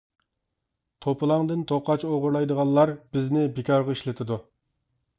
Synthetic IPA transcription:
t̪ʰopʰɨlˠɑŋd̪ɨnt̪ʰoqɑt͡ʃoʁʊɾlˠɑjd̪əʁɑnlˠɑɾb̥ɪznɪbɪkʲʰɑɾʁɑiʃlɪt̪ʰɪd̪u

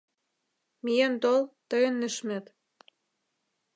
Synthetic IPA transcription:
mijent̪olt̪ɤjə̆nːɘ̆ʃmĕt̪

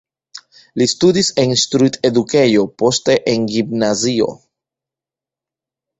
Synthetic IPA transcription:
listudisenstɾite̞duke̞jo̞po̞ste̞ʔenɡimnazio̞̰

